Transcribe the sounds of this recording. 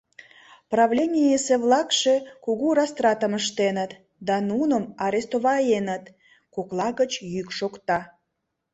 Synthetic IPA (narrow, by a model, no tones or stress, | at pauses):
prɑβlʲenʲijeseβlɑkʃe̽kuɣurɑst̪rɑt̪əməʃt̪enət̪ | d̪ɑnunəmɑɾʲest̪oβɑenət̪ | koklɑɣət͡ɕjykʃokt̪ɑ